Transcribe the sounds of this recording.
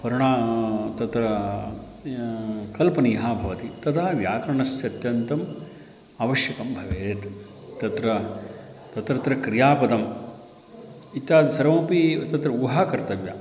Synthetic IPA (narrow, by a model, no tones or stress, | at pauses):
pɐɾuɳaːt̪ɐt̪ɾɐ | kɐlpɐniːɦaːbʱɐʋɐt̪it̪ɐt̪ʰɐɐʋjaːk̪ɾɐɳɐst̪jɐt̪jɐnt̪ɐm | aːʋɐʃjɐkɐmbʱɐʋeːt̪ | t̪ɐt̪ɾɐ | t̪ɐt̪ɾɐt̪ɾɐkɾijaːpɐd̪ɐm | it̪jaːsɐɾɐʋoːpit̪ɐt̪ɾɐuɦaːkɐɾt̪ɐʋja